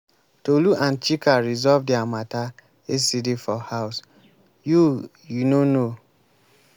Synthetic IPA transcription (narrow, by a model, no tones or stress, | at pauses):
toluʔãnt͡ʃikaɹizɔvdɛamata | esidifɔhaʊs | ju | junono